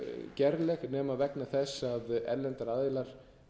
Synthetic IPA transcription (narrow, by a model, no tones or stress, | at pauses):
cɛɾlɛxnɛːmavɛknɪθɛsːaðɛlːɛnt̪aɾaðɪlaɾ̥